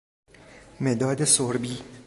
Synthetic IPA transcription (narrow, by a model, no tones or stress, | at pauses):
med̪ɒːd̪esoɾbiː